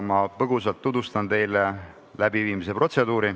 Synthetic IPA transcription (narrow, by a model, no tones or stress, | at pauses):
mɑpɤɡ̥usɑlt̪ːud̪ust̪ɑnt̪e̞jle | læbiviːmis̬e̞pro̞t̪se̞d̪uːɾi